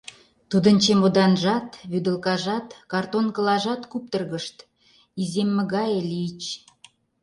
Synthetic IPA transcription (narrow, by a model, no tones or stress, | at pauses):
t̪ud̪ə̆nt͡ɕemod̪ɑnʒɑt̪βyd̪ə̆lkɑʒɑt̪kɑrt̪onkə̆lɑʒɑt̪kup̚t̪ərɣəʃt̪ | izemːə̆ɣɑjelit͡ɕ